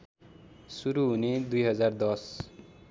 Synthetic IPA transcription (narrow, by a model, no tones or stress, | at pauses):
suɾuɦuned̪ujɦʌd͡zard̪ʌs